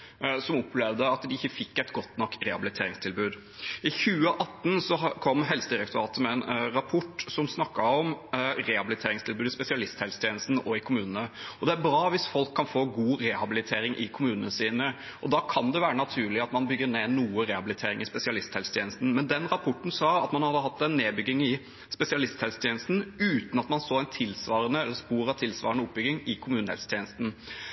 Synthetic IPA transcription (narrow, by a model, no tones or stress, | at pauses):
sɔmɔplɛʋd̪əɑt̪d̪ɪɪçːəfɪkːæɪt̪ɡɔt̪nɔkːɾɛhɑbɪlɪt̪ʰeːɾɪŋst̪ʰɪlbʉːd̪ | ɪçʉːəʔɑt̪ːn̩sɔkʰɔmːɦɛlsəd̪ɪɾɛk̚t̪ʊɾɑːt̪əmɛɛnɾɑpʰɔʈːsɔmsnɑkːɑɔmɾɛhɑbɪlɪt̪ʰeːɾɪŋst̪ʰɪlbʉːd̪ɪspɛsɪɑlɪst̪hɛlst̪jeːnəst̪n̩ɔɪkʰʊmʉːnənəɔd̪ɛæɾbɾɑːʋɪsfɔlkʰːɑnfoːɡuːɾɛhɑbɪlɪt̪ʰeːɾɪŋʔɪkʰʊmʉːnənəsiːnəʔɔd̪ɑkʰɑnd̪ɛʋæːɾənɑt̪ʰʉːɭɪɑt̪mɑnbʏɡːəɾneːnuːəɾɛhɑbɪlɪt̪ʰeːɾɪŋɪspɛsɪɑlɪst̪ʰhɛlst̪ʰjeːnəst̪n̩mɛnd̪ɛnɾɑpʰɔʈːn̩sɑːɑt̪mɑnhɑd̪ːəɦɑt̪ːɛnːeːbʏɡɪŋɪ | spɛsɪɑlɪst̪hɛlst̪ʰjeːnəst̪n̩ʉːt̪ən̩ɑt̪mɑnsoːæɪnt̪ʰɪlsʋɑːɾənəɛlːəɾspuːɾɑt̪ʰɪlsʋɑ̰ːɾəɳəʊp̚ːbʏɡɪŋɪkʰʊmʉːnn̩ɛ̰lst̪jɛːnəst̪n̩